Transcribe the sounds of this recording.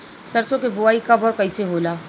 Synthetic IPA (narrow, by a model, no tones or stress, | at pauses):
sɐɾsõkebʊaːikɐbɔːɾkɐiseɦoːlaː